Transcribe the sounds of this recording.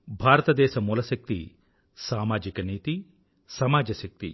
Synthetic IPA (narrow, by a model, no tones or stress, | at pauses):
bʱaːɾɐt̪ɐd̪ɛːʃɐmuːlɐʃɐk̚t̪ḭ | saːmaːd͡ʒikɐniːt̪i | sɐmaːd͡ʒɐʃɐk̚t̪ḭ